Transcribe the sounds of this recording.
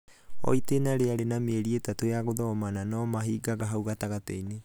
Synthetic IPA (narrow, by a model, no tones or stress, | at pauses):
o̰jtenaɾeaɾenameeɾietatoeaɡodomananomaɦiɡaɡaɦawɡataɡatḛjne